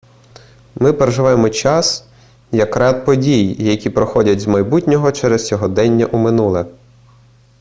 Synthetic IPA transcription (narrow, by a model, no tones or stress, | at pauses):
mɪpeɾeʒɪʋajemɔt͡ʃɑs | jɐkɾɛt̪̚pɔdʲijjɐkʲipɾɔxɔdʲɐtʲzmɐjbutʲnʲɔɦɔt͡ʃɛɾɛst͡sʲɔɦɔd̪ɛnʲːɐʔumɪnulˠɛ